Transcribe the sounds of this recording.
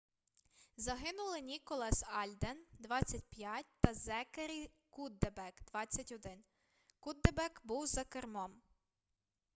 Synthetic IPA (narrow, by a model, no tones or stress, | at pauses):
zɐɦɪnʊlˠɪnʲikɔlˠɛsɑlʲd̪end̪ʋɑt͡sʲːɐtʲpʲjatʲt̪ɐzɛkeɾʲi | kud̪ːebɛkd̪ʋɑt͡sʲːɐtʲɔd̪ɪn | kud̪ːebɛkbuwzɐkermɔm